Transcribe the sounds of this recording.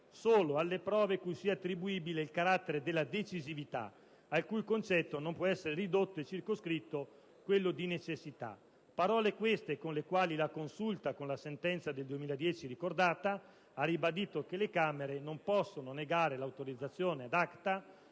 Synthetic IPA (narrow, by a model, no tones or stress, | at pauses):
soːloalːepɾɔːvekujsiat̪ːɾibuiːbileilkaɾat̪ːeɾed̪elːad̪et͡ʃizivit̪a̰ | alkujkont͡ʃɛt̪ːonompwɔɛsːeɾerid̪ot̪ːoet͡ʃːirkoskɾit̪ːo | kwelːod̪inet͡ʃesːit̪a̰ | paɾɔːlekwest̪ekonlekwaːlilakonsult̪akonlasent̪ɛnt̪sad̪eld̪uemiːlad̪jɛːt͡ʃiɾikord̪aːt̪a | aribad̪iːt̪okelekaːmeɾenompɔsːononeɡaːɾelawt̪oɾid̪zːat̪sːjoːnead̪akt̪a